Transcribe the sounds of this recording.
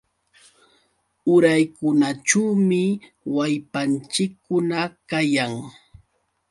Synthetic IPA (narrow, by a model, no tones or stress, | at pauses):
ʊɾajkʊnaʈ͡ʂuwmɪ | wajpant͡ʃɪkːʊnakajaŋ